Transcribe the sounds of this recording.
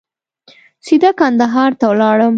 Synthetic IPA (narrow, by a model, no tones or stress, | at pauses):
sid̪akand̪aɦɑɾt̪awlɑɽəm